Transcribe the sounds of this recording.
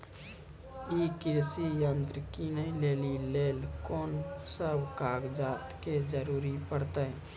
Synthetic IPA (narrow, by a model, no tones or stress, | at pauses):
ikɪɾsijə̃nt̪ɾəkinəĩleːlileːlkoːnsəbkaːɡd͡ʒaːt̪ked͡ʒəɾuːɾipəɽt̪a